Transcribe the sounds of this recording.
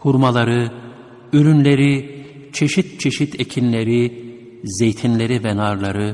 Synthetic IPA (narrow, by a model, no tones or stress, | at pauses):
huɾmalˠaɾɯ | yɾynlʲeɾi | t͡ʃʰeʃit̪̚t͡ʃʰeʃit̪ʰecʰinlʲeɾi | zejt̪ʰinlʲeɾivɛnaɾlˠaɾɯ